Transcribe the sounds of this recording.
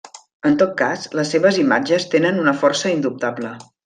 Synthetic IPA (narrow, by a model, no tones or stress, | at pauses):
ənt̪ot̪̚kasləsːeβəzimad͡ʒəst̪enənunəfɔrsəind̪up̚t̪ablə